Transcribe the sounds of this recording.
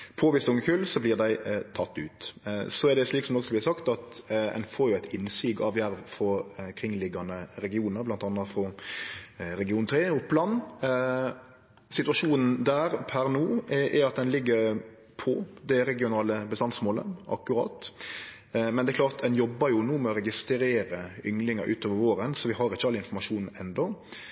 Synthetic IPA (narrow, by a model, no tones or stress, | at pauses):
pʰoʋɪst̪ʊŋːəkʰʉlsɔblɪːʁd̪æɪt̪ʰɑt̪ːʉ̰ːt̪sɔɛʁd̪ɛʂliːksɔmd̪ɔksɔblɪsɑkt̪ɑt̪ɛ̰nfoːɾjʊæɪt̪ɪnːsiːɡɑ̰ʋjæɾʋfɔkʰɾɪŋːlɪɡɑnəɾɛɡɪuːnəɾblɑnt̪ɑnːɑfɾɔ | ɾɛɡɪuːnt̪ʰɾeːʊpːlɑnː | sɪt̪ʉɑʂuːnn̩d̪æːɾpʰæɾnuːʔɛɾɑt̪̚d̪ɛnlɪɡːəɾ | pʰɔd̪ɛɾɛɡɪʊnɑːləbəst̪ɑnsmoːlə̰ʔɑ̰kːʉɾɑ̰ːt̪ | mɛnd̪ɛklɑːʁt̪d̪ɛnjɔbːəɾjʊnuːmɛɔɾɛɡɪst̪ɾeːɾəʏŋlɪŋɑʔʉːt̪oːʋəɾʋoːɾənsɔʋɪɦɑɾɪçːəɑlːɪnfɔɾmɑʂuːnn̩ɛnd̪ɔ